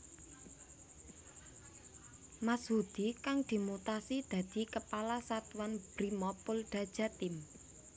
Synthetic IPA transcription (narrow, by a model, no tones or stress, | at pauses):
mashud̪̥ikaŋd̪̥i̤mut̪asid̪̥ä̤d̪̥i̤kəpalasat̪uwanb̥ɾimɔpʊlɖ̪̥a̤d̥ʒ̥a̤t̪ɪm